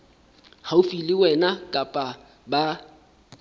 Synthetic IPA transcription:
haufilɪwɛnakʼapʼa | ba

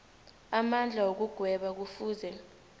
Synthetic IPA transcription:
amand͡ɮʱawok̬uɡ̥ʱwɛɓak̬ufuːzɛ

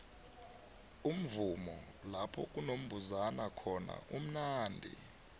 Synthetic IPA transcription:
um̩vumɔ | lapʰɔk̬ʼunom̩bʱuzanakʰɔna̰ʔum̩naːndʱḭ

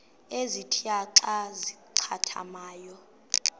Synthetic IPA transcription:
ezitʰiaǀaziǀʰa̰tʰa̰maːjɔ

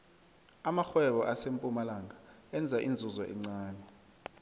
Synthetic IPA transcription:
amaxwɛɓɔʔasempʼumalaŋʱa | ɛnd͡zʱaʔind͡zʱuzɔʔɛ̰ŋ͡ǀaːnɛ

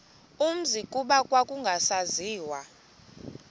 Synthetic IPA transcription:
um̩zikʼuɓakʼwakʼuŋɡʱasaziːwa

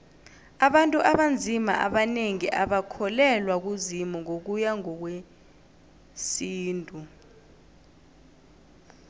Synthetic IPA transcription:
aɓantʼuʔaɓand͡zʱima̰ʔa̰ɓaneŋiʔaɓakʰɔlɛlwak̬uzimuŋok̬ujaŋɔk̬we | siːntʼu

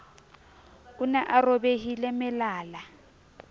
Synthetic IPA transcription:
ʊnaʔarobeɦilɛmɪlaːla

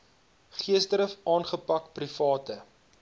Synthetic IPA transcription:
χiəsdɾəfʔɑːnχəpɐkprifɑːtə

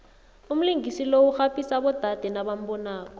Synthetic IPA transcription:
ʊm̩liŋɡisilouk͡xapʼisabɔdʱad̥ʱɛnabam̩bɔnaːkɔ̥

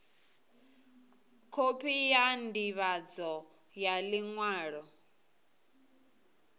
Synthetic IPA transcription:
kʰopʰijandiβad͡zɔ | jaliŋwaːɺɔ

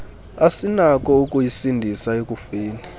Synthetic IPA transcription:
asinak̬ʼɔukʼujisindʱisaekʼufiːni

